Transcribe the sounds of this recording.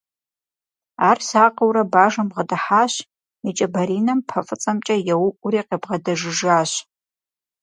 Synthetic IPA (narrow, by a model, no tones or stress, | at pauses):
aːrsaːqɐwɾɐbaːʒɐmʁɐdɐħaːɕ | it͡ʃʼɐbɐɾiːnɐmpʰɐfʼɨt͡sʼɐmt͡ʃʼɐjɛwʊʔʷʊɾiːqebʁɐdɐʒɪʒaːɕ